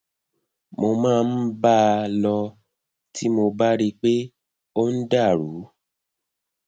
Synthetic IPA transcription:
mo˧mãː˦˧n̩˦ba˦˧lɔ˧ | ti˦mo˧ba˦ɾi˧k͡pe˦ | o˦n̩˦da˦˨ɾu˨˦

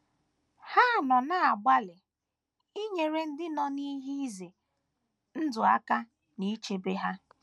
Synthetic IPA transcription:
ha˦˨nɔ˨na˦a˨ɡ͡ba˦lɪ˨ | i˦ɲe˨ɾe˦n̩˦dɪ˦nɔ˦ni˦ɦi˦i˦ze˨ | n̩˦dʊ˨a̰˦ka˦ | ni˦t͡ʃe˦be˦ɦa˦

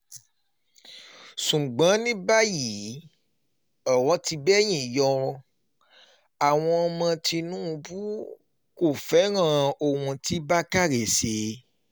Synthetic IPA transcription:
ʃũ˨ɡ͡bã˨˦nĩ˦ba˦ji˨˦ | ɔ˨wɔ˧˦ti˧bɛ˦j̃ĩ˨jɔ˧ | a˨w̃ɔ̃˧ɔ˧mã˧ti˧nũ˦˧bu˦ | ko˦˨fɛ˨˦ɾ̃ã˦˨o˦˨wũ˧ti˨˦ba˦ka˦ɾe˨se˨˦

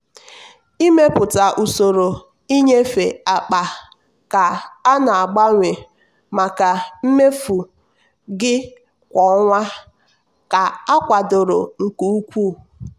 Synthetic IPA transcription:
i˦me˦pʊ˨ta˨ʔu˨so˨ɾo˨ | i˦ɲe˦fe˨a˨k͡pa˨ | ka˨a˦na˨a˨ɡ͡ba˦ŋʷe˨ | ma˨ka˨m̩˦me˦fu˨ | ɡɪ˦ | kʷɔ˨˦ŋʷa˦ | ka˨a˦kʷa˨dʊ˨ɾʊ̰˨ŋ̩˨ku˦u˦kʷu˦˨

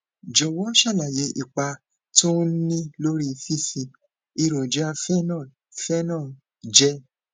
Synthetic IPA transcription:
d͡ʒɔ˨wɔ˨˦ʃa˦˨la˨je˧˦ʔi˨k͡pa˧ | to˦nĩ˦lo˦ɾi˦˧fi˦˨fĩ˧ | i˧ɾo˨d͡ʒa˦fɛ˦nã˦˨ | fɛ˦nã˦˨ | d͡ʒɛ˦

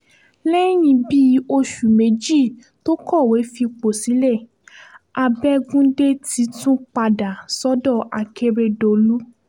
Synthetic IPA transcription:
lɛ˦j̃ĩ˧bi˦o˧ʃu˨me˨˧˦d͡ʒi˦˨ | to˦kɔ˦˨we˨˦fi˧k͡po˨si˨˦lɛ˦˨ | a˨˧bɛ˦˧ɡũ˦de˦tʰi˧˦tũ˦k͡pa˧da˨sɔ˦dɔ˦˨ʔa˨ke˧ɾe˧do˧lu˦

